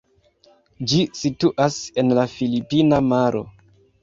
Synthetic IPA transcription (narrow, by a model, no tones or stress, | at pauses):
d͡ʒisituʔase̞nlafilipinamaɾo̞̰